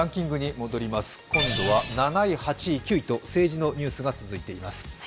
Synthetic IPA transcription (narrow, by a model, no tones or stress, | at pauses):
ãŋkʲĩŋɡɯ̟ɲ̟imo̞d̪o̞ɾʲimasɨ̥kõ̞nd̪o̞βananaihat͡ɕikʲɨit̪o̞se̞ːʑino̞ɲ̟ɨːsɨɡat͡sɨzɨit̪e̞imasɨ̥